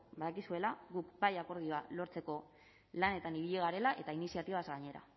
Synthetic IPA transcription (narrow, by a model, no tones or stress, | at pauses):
baðakisue̞laɣukbajako̞ɾð̞io̞alo̞ɾt͡se̞ko̞ | lane̞t̪aniβiʎiɣ̞aɾe̞laʔe̞t̪ainisiat̪iβazɣaɲe̞ɾa̰